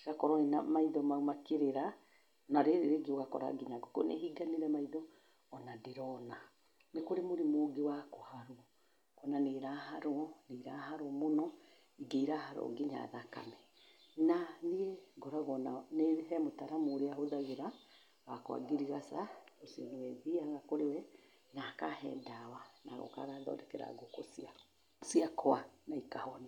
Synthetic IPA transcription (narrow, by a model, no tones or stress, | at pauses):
ɣakɔɾɔena̰maiðɔmaumakeɾeɾa | naɾeɾeɾeɡeoɣakɔ̰ɾa̰ɡiɲaɡɔko̰nḛɦiɡaneɾɛmaiðɔː | nadeɾɔna | nekoɾemoɾemoːɡewakohaɾo | kɔnaneɾaɦaɾoneɾaɦaɾɔɔmonɔ | ɡeiɾahaɾɔ̰ɡeɲa̰ðaka̰mɛ | nanieɡɔɾaɣɔnaneɦɛmotaɾamoːɾeaɦoðaɣeɾa | wakwa̰ɡeɾiɣasaosiɛnewɛðiaɣakoɾewɛ | nakaɦɛ̰dawana̰ɣo̰ka̰ɣaðɔ̰dɛkɛɾa̰ɡokɔsa | siakʰɔanaikahɔni